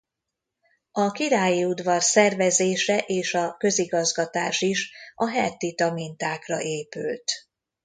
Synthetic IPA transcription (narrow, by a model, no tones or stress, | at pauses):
ɒkiɾaːjiud̪vɒrsɛrvɛzeːʃɛʔeːʃɒkø̞ziɡɒzɡɒt̪aːʃiʃɒɦɛt̪ːit̪ɒmint̪aːkrɒ̰ʔeːpy̰lt̪